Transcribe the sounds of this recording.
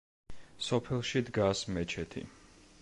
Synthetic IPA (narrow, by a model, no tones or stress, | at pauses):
sɔpʰɛlˠʃid̪ɡasmɛt͡ʃʰɛt̪ʰḭ